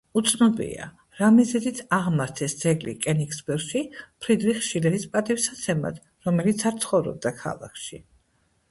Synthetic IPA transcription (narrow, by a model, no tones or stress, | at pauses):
ut̪sʰnɔbḭa̰ | ɾamizɛd̪it̪ʰaʁmaɾt̪ʰɛsd̪zɛɡlḭkʼɛnikʰsbɛɾʃipʰɾid̪viχʃiɾɛd̪ispʼat̪ʼifsat̪sʰɛma̰d̪̥ | ɾɔmɛlit̪sʰaɾt̪sʰχɔvɾɔ̰b̚d̪akʰa̰lˠa̰kʰʃi